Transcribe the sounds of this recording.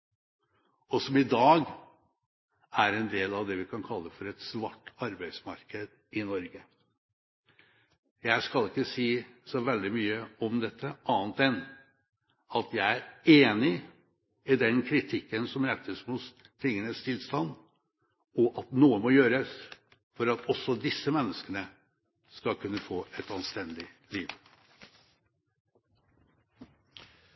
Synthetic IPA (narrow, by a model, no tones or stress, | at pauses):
ɔsɔmɪd̪ɑːɡ | æɾɛnd̪eːlɑʋd̪ɛʋɪkʰɑnkʰɑlːəfɔɾɛt̪sʋɑʈːɑɾbæɪd̪smɑɾkəd̪ | ɪnɔɾɡə | jæɪskɑlɪkːəsiːsɔʋɛld̪ɪmyːəɔmd̪ɛt̪ʰːəʔɑːnt̪ɛnː | ɑt̪jæɪæɾeːnɪ | ɪd̪ɛnkʰɾɪt̪ʰɪkːənsɔmɾæt̪ʰːəsmʊs | t̪ʰɪŋːənəst̪ʰɪlst̪ɑnd̪ | ɔʔɑt̪nuːəmɔjøːɾəs | fɔɾɑt̪ɔsːɔd̪ɪsːəmɛnːəskənə | skɑlkʰʉnːəfoːɛt̪ɑnst̪ɛnd̪ɪliːʋ